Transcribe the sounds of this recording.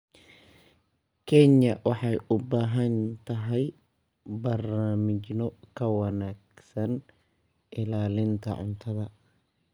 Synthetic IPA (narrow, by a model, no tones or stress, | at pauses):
kʰɛɲɐwɑħɑjʔʊbaːɦɐnt̪ʰɐɦɛj | bɐrnaːmɪt͡ʃnɔkʰɐwɑnaːɡsɐn | ʔɪlaːlɪnt̪ʰɐ̰ʕʊ̰nt̪ʰɐðɐ